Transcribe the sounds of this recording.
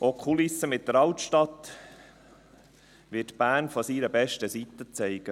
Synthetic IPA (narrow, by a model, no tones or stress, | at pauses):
ʔɔkʰχulɪsːəmɪt̪̚d̥̪əɾɑwt̪ʃtɑt̪ː | ʋɪtb̥æːnfɔsiɾəbɛʃtəsit̪ːət͡sɛɪɡ̥ə